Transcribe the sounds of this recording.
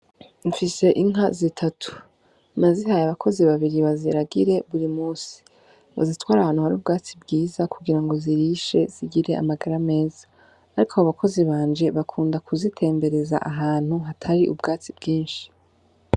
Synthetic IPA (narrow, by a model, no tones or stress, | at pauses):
ɱfise̞ʔiŋazitʰatʰu̥ | maziɦajaβakʰo̞ziβaβiɾiβaziɾaɡiɾe̞βuɾimuːsi̥ | βa̰zitwaːɾahaːn̥huhaɾiuːbɡaːt͡sibɡiːzakuɡiɾaŋɡo̞ziɾiʃe̞z̥iɡiɾe̞ʔa̰maɡaɾame̞ːzḁː | ɾikʰohaβakʰo̞ziβaːɲd͡ʒe̞βakʰuːndakʰuzitʰe̞ːmbe̞ɾe̞za̰ʔaɦaːn̥huɦatʰaɾiʔubɡaːt͡sibɡiːnʃi̥